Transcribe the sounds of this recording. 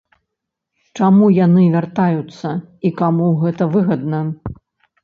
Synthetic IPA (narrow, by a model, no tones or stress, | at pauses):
t͡ʂamujanɨvʲart̪ajut̪sːɐikamuɣɛt̪ɐvɨɣɐd̪nɐ